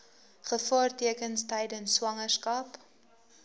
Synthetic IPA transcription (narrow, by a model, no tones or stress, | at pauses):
χəfɑːrtiəkənstɛjdənsːwɐŋərskɐp